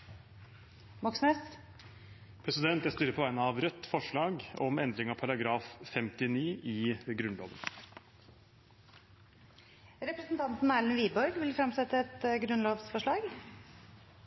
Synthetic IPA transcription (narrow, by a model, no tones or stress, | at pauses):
mɔksneːs | pʰɾɛsɪd̪ɛnt̪ɛæst̪yɾəpʰɔʋæɪnəɑʋɾœt̪ːfɔʂɭɑːɡɔmɛnd̪ɾɪŋɑʋpʰɑɾɑɡɾɑːffɛmt̪ɪniːʔɪɡɾʉnlo̰ːʋə̰n | ɾɛpɾəsnt̪ʰɑnt̪n̩ælnʋiːbɔɾɡʋɪlfɾɑmsɛt̪ːəɛt̪ɡɾʉnloːʋsfɔʂɭɑːɡ